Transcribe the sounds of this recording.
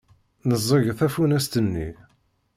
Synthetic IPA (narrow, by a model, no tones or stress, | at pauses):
nəzˤːəʝθæfunæst̪ənːḭ